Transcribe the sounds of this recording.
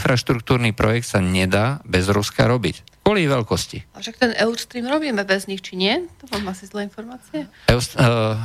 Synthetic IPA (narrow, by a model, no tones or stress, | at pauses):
nfɾaʃt̪ɾuk̚t̪uːɾnipɾɔjɛk̚t̪saɲɛd̪aːbɛzɾuska̰ɾɔbicɔliʋɛlkɔscḭaʃak̚t̪ɛnʔɛʊst̪ɾiːmɾɔbiːmɛbɛzɲixt͡ʃiɲɪɛt̪ɔmamasizlɛinfɔɾmaːt͡siɛ